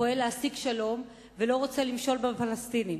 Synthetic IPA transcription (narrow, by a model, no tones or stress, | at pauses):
oeleasiɡʃalo̞m | velo̞ʁot͡selimʃo̞lbefalast̪inim